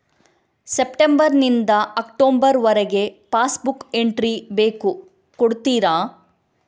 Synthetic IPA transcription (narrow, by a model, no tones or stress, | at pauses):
sepʈembɐɾnind̪ɐɐkʈoːmbɐɾʋɐɾɛɡe̞paːsbuke̞ɳʈɾibe̞ːku | koɽt̪iːɾaː